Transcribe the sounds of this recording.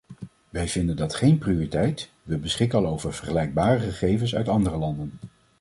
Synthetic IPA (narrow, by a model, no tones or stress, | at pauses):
ʋɛjvɪndəndɑtχejnprioritɛjt | ʋəbəsχɪkɑlˠowvəɹv̥əɹχəlɛjɡ̚baːrəχəχejvənsœɥtɑndərəlɑndən